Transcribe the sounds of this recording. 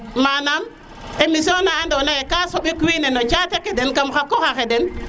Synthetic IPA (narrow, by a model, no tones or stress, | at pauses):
manam | emis̬ionaːndownajekasoɓikwinenot͡ʃatekedɛnkamxakoxaxedɛn